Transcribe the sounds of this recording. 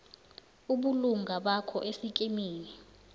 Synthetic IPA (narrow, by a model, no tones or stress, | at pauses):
uɓuluŋɡʱaɓakʰɔʔesikʼimiːni